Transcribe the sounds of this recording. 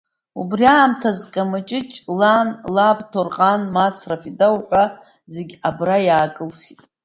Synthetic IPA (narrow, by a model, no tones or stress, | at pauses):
ubriaːmtʰazkʼamat͡ʃʼɪt͡ʃʼlanlabtʰorqʼanmat͡sʰrafidawħʷa | zeɡʲabrajaːkʼɨlsitʼ